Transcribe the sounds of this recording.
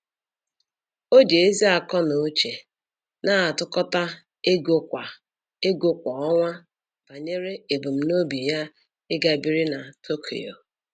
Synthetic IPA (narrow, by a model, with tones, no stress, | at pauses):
o˦d͡ʒe˨e˦zi˦a˨kɔ˦no˨˦t͡ʃe˨ | na˦a˨tʊ˦kɔ˦ta˦ | e˦ɡo˦kʷa˨ | e˦ɡo˦kʷɔ˨ɔ˦ŋʷa˦ | b̥a˨ɲe˦ɾe˦e˨bu˨m̩˦no˦bi˨ja˦ | ɪ˦ɡa˨bi˦ɾi˦na˨tʰo˦kʰḛ˨jo̰˨